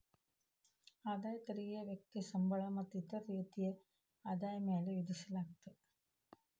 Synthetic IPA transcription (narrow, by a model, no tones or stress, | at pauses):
ad̪aːjt̪ɐɾijɐʋjek̚t̪isɐmbʱɐɭɐmɐt̪ːit̪ɐɾiːd̪ije | ɐd̪aːjmeːleʋid̪isɐlaːk̚t̪ɨ